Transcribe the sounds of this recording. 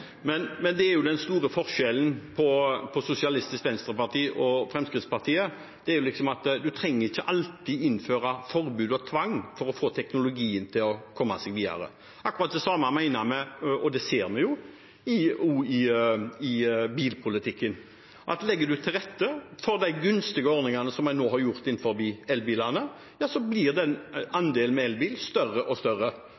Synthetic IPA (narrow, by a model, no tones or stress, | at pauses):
mɛnmɛnd̪ɛæɾjʊd̪ɛnst̪uːɾəfɔɾʃɛlən̩pʰɔpʰɔsʊsɪɑlɪst̪ɪskʋɛnst̪ɾəpɑʁt̪iːʔɔfɾɛmskɾɪt̪spɑɾt̪ʰiːə | d̪̥ɛæɾjʊlɪksɔmɑt̪d̪ʉt̪ʰɾɛŋːəɾɪçːəʔɑlt̪iːd̪ɪnføːɾɑfɔɾbʉːd̪ɔt̪ʰʋɑŋːfɔɾɔfoːt̪ʰɛknʊlʊɡiːənt̪ʰɪlɔkʰɔmːɑsɛɡʋiːd̪ɑ̰ɾə̰ | ʔɑkːʊɾɑt̪̚d̪ɛsɑmɑmæɪnəɾmɛɔd̪ɛseːɾmɛjʊ | ɪuɪɪbiːlpʰʊlɪt̪ʰɪkːən | ʔɑ̰t̪lɛɡːəd̪ʉt̪ʰɪlʁɛt̪ːəfɔɾd̪æɪɡʉnst̪ɪɡəɔɾnɪŋɑnəsɔmːæɪnoːɦɑɾjʊɾt̪ɪnːfɔɾbiːɛlbiːlɑnə | jɑːsɔblɪɾd̪ɛɛnɑnd̪eːlmɛɛlbiːlst̪œrːəʔɔst̪œɾːə